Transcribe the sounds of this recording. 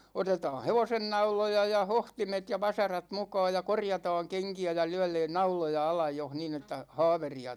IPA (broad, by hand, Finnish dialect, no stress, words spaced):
otetɑː heʋosenːɑulojɑ jɑ hohtimet jɑ ʋɑsɑrɑt mukɑːj jɑ korjɑtɑːŋ keŋkiæ jɑ lyɛ̹leːn nɑulojɑ ɑlɑj joh niːn etːæ hɑ̝ːʋeriɑ